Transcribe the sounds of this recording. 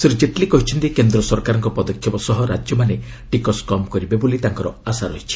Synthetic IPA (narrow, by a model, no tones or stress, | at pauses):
seɾud͡ʒeʈlikɔɦit͡ʃʰɔnt̪ikend̪ɾɔsɔɾkaɾɔŋkɔpɔd̪ɔkʰjɔpɔsɔɦɔɾad͡ʒjɔmane | ʈikɔskɔmkɔɾibebolit̪aŋkɔɾɔasaɾɔɦit͡ʃʰi̥